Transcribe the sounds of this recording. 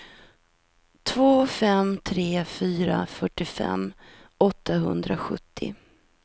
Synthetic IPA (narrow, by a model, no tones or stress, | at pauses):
t̪ʰvoːfɛmt̪ʰɾeːfyːɾa̰fœʈːɪfɛ̰mː | ʔɔt̪ʰːaɦɵnd̪ɾaɧɵ̰t̪ʰːɪ̰